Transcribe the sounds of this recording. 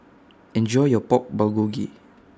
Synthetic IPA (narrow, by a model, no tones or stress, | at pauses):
ɛ̃nd͡ʒɔjjɔpɔk̚baɡuɡḭ